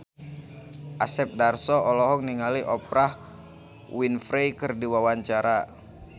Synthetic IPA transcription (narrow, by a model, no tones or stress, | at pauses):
ʔasɛp̚darsɔɔlɔɦɔkniŋaliʔɔpɾah | winfɾejkɨrdiwawaɲt͡ʃaɾa